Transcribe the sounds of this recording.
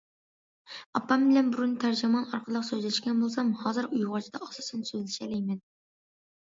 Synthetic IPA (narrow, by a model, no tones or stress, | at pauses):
ɑpːɑmbɪlɛnbuɾunt̪ʰæɾd͡ʒimɑnɑɾqʰəlˠəqsøzlɛʃkʲɛnbolˠs̬ɑmhɑːzɨɾujʁɑt͡ʃʰid̪ɑɑsɑsɨnsøzlɪʃɛlɛjmɛn